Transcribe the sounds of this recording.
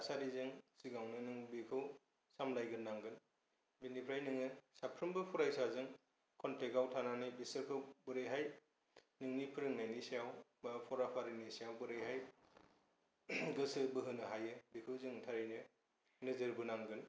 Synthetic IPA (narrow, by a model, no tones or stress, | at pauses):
asaɾizɯŋsiɡawnɯnɯŋbekʰɯw | samlajɡɯnːaŋɡɯn | benipʰɾajnɯŋɯsapʰɾɯmbɯpʰɔɾajsazɯŋ | kʰɔnteɡawtʰananɯjbisɯɾkʰɯwbɯɾɯjɦaj | nɯŋnipʰɯɾɯŋnajnisijawbapʰɔɾapʰaɾinisijawbɯɾɯjɦaj | ɡɯsɯbɯɦɯnɯɦajɯbekʰɯwzɯŋtʰaɾɯjnɯ | nɯzɯɾbɯnaŋɡɯn